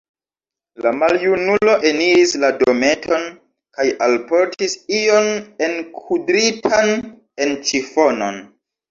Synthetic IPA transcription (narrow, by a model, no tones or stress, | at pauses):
lamaljunulo̞ʔe̞niɾislado̞me̞tʰo̞n | kajʔalpo̞ɾtisio̞nenkʰudɾitʰan | e̞nt͡ʃifo̞no̞̰n